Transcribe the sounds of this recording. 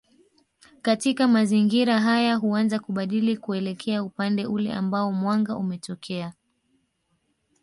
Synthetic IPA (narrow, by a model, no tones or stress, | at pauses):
katikamaziŋɡiɾaɦajaɦuanzakuɓaɗilikuɛlɛkʰɛaupandɛʔulɛ̰ʔa̰mbaɔmwaŋɡaʔumɛtɔkʰɛa